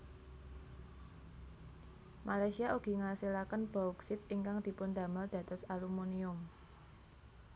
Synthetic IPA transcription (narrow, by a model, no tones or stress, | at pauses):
malajsiaʔuɡ̥i̤ŋasilakənb̥auksɪt̪̚iŋkaŋd̪̥i̤pʊnd̪a̤məld̪̥ä̤d̪̥ɔ̤salumuniʊm